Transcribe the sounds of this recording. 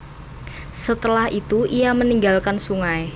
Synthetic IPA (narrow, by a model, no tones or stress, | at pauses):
sət̪əlahʔit̪uʔijaməniŋɡalkansuŋae